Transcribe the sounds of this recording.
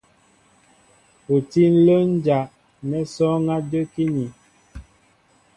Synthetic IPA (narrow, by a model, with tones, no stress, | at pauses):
o˨ti˦n̩˦lə˦n˦d͡ʒa˨ʔ | nɛ˦sɔ˦ŋa˦d͡ʒə˦ki˦ni˨